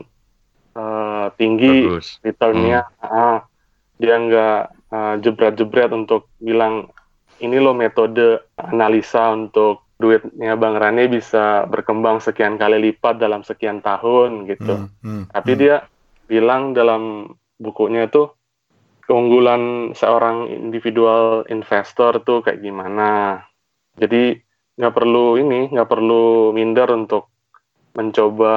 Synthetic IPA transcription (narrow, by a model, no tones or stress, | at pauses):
ət̪iŋɡirit̪əlnaaʔa | diaəŋɡaʔʔ | əd͡ʒəbɾɛt̪̚d͡ʒəbɾɛt̪unt̪ʊk̚bilaŋ | inilɔhmet̪odəanalisaunt̪ʊk̚duɪt̪̚ɲabaŋɾanibisabərkəmbaŋsəkiankalilipat̪̚dalamsəkiant̪aɦʊnɡit̪ut̪apidia | bilaŋdalam | bukuʔɲat̪u | kəuŋɡulansəoɾaŋḭndifidualḭnfest̪ɔrt̪ʊka̰ja̰ʔɡimana | d͡ʒadi | ŋɡaʔpərluinɪŋɡaʔpərlumindəɾunt̪ʊk̚ | məɲt͡ʃoba